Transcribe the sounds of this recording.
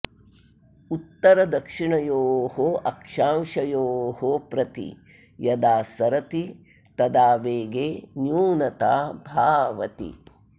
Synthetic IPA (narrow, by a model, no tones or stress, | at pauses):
ut̪ːɐɾɐd̪ɐkʂiɳɐjoːhoɐkʂaːmʃɐjoːɦopɾɐt̪ḭ | jɐd̪aːsɐɾɐt̪i | t̪ɐd̪aːʋeːɡeːnjuːnɐt̪aːbʱaːʋɐ̰t̪ḭ